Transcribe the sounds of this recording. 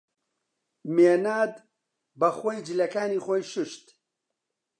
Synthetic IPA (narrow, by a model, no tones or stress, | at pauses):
meːnaːd̪ | bɐxojd͡ʒɨlɐkaːniːxʷojʃɨʃt̪